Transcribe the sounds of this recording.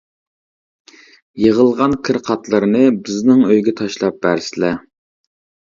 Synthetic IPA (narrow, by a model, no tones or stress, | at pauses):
jəʁəlˠʁɑnkʲʰɪɾqʰɑt̪lˠɨɾɨnɨbɪznɪŋøjɡʲɛt̪ʰɑʃlˠɑp̚bæɾsɪlɛ